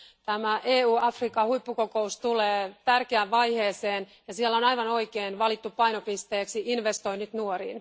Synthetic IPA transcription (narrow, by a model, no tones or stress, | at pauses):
t̪æmæʔeːuːɑfrikɑhuipːukokoust̪uleːt̪ærkeæʋʋɑjheːseːnjɑsielonɑjʋɑno̞ikeːnʋɑlit̪ːuppɑjnopist̪eːksiʔinʋest̪o̞inyt̪nuoɾḭːn